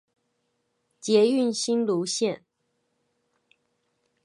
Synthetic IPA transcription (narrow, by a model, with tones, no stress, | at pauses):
t͡ɕjɛ˧˥y˥˨nɕi˥nlu˧˥ɕjɛ˥˨n